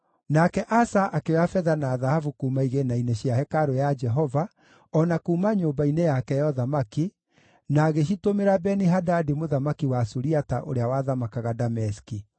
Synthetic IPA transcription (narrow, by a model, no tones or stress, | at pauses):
nakɛʔasaʔakewafɛðanaðahavukumaiɣenaineɕiahɛkaɾojad͡ʒɛɦɔva | ɔnakuːmaɲoːmbainejakɛjɔðamaki | naːɣeʃitomeɾabɛniɦadadimoðamakiwasuɾiataʔo̰ɾeawaðamakaɣadamɛski